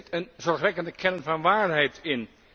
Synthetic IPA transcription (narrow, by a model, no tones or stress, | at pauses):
tənzɔɹχʋɛkəndəkʰɛnənvɑnʋaːɹɦɛjtɪn